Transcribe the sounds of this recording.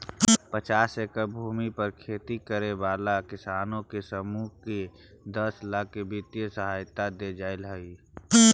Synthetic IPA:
pət͡ʃaːsekəbʱuːmipəɾkʰeːt̪ikəɾebaːlakɪsaːnõkesəmuːke | d̪əslaːkebɪt̪jəsəɦaːjt̪ad̪ed͡ʒaːelɦəi

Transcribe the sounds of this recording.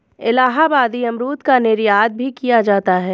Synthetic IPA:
ɪlaːɦabaːd̪iɐmɾuːt̪kaneːɾijaːd̪̚bʱikijad͡ʒaːt̪aɦɛː

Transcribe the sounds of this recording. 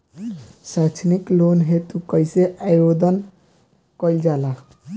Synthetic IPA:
sat͡ʃʰniklonɦet̪ukəjseʔajjod̪ʱən | kəjld͡ʒala

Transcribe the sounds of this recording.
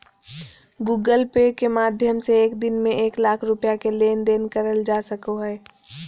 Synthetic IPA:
ɡuːɡəlpeːkemaːd̪ʱjəmseeːkd̪ɪnmẽʔeːklaːkʰɾʊpjakeleːnd̪eːnkəɾəld͡ʒaːsəkoɦɛː

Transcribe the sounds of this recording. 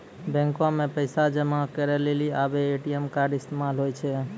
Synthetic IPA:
bɛ̃ŋkõmẽpəɪsad͡ʒəmãkəɾɛleliabeːʈijemkaɾɖɪst̪emalɦojt͡ʃʰe

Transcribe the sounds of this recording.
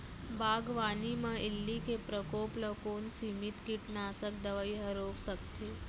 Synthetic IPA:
baːɡʋaːnimə̃ɪlːikepɾəkoːpləkoːnsiːmit̪kiʈnaːsək̚d̪əʋəiɦəɾoːksəkt̪eː

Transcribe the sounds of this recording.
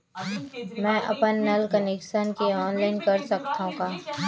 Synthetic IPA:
mɛ̃ːʔɐ̰pənːɐlkɐneːkʃənkeɔːnlaːɪnkɐɾsɐkt̪aɦũkaː

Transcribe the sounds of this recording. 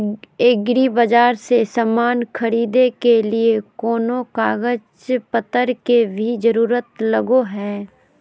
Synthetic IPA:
ɪɡɾibɐd͡ʒaːɾsesamaːnxʰɐɾiːd̪ekeliekɔːnokaːɡət͡ʃpət̪əɾkebʱid͡ʒɐɾuːɾət̪lɐɡoɦɛː

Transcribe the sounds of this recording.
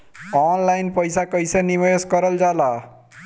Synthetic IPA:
ɔnlajnpʌjsakʌjsʌnimʌjoskʌɾʌld͡zala

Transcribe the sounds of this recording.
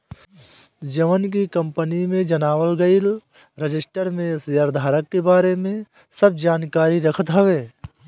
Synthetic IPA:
d͡ʒɐʋənk̬ikɐ̃mpənimẽd͡ʒɐnaːʋəlɡəil | ɾɪd͡ʒɪsʈəɾmẽsjəɾd̪ʱaːɾəkːebaːɾemẽ | səb̚d͡ʒaːnkaːɾiɾɐkʰət̪ɦɐʋeː

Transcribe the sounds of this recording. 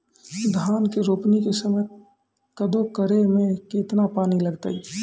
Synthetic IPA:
d̪ʱaːnkeɾoːpnikesəmə | kəd̪okəɾemẽket̪napaːniləɡt̪ə̰i

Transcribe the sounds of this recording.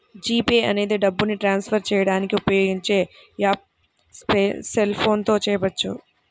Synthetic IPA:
d͡ʒiːpeːʔɐne̞ːd̪iɖɐbːuniʈɾaːnspʰɐɾt͡ʃɛːjɐɽaːnikiupɐjo̞ːɡiɲt͡ʃe̞ː | jaːp̚ | spselpʰo̞ːnt̪o̞ːt͡ʃɛːɐbɐt͡ʃːṵ

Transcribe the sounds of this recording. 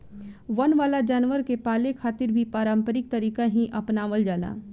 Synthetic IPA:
ʋənʋaːlad͡ʒaːnʋəɾkepaːlekʰaːt̪ɪɾbʱipaːɾə̃mpəɾɪk̚t̪əɾiːkaɦĩʔɐpnaːʋəld͡ʒaːla̰ː

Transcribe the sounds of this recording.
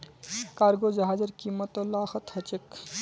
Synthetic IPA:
kaːɾɡoːd͡ʒɐɦaːd͡ʒɐɾkiːmːət̪oːlaːxət̪hɐt͡ʃek

